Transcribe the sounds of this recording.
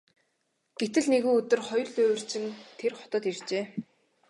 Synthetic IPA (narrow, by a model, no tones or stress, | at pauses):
ɡ̥et̪ɘ̆ɮneɣuːɵt̪ɵ̆rχɔjɞ̆rɮɵːwɵ̆r̥t͡ɕɪ̆nt̪ʰerχɔ̥t̪ɞ̆t̪irt͡ɕeː